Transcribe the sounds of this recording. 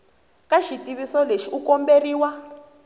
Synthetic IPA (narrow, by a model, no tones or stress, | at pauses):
kaʃitiβisɔleʃiukɔmberiːwa